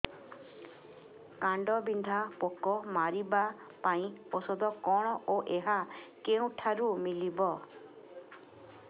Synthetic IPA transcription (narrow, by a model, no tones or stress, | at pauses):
kaɳɖɔbind̪ʱapokɔmaɾiba | paĩosɔd̪ɔkɔɽ̃ɔʔoʔeɦakeũʈʰaɾumilibɔ